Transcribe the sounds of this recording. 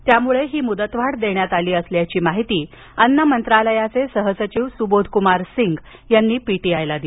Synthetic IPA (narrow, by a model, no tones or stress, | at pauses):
t̪jamuɭeɦiːmud̪ət̪ʋaʈd̪eɳjat̪aliːəsljat͡ɕiːmaɦit̪iː | ənːəmənt̪ɾaləjat͡sesəɦəsət͡ɕiʋsubod̪ʱkumaɾsiŋɡ | janːiːpiʈiːajlad̪i